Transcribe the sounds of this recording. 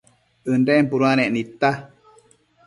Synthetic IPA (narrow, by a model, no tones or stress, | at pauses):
ɨnɖempuɾuanẽʔnit̪a